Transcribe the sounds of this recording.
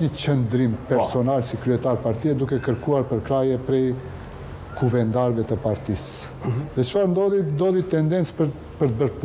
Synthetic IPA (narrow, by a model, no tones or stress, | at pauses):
ɲət͡ʃənd̪ɾimpɛɾsɔnalsikɾyɛt̪aɾpaɾt̪iɛd̪ukɛkəɾkuaɾpəɾkɾajɛpɾɛj | kʰuvɛnd̪aɾvɛt̪əpaɾt̪is | ðɛt͡ʃfaɾnd̪ɔðind̪ɔðit̪ɛnd̪ɛnt͡spə | pəɾt̪əbəɾp